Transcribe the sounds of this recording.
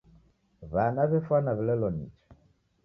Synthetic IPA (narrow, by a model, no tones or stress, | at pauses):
βanaβɛfanaβɛlɛlɔnḭt͡ʃi̥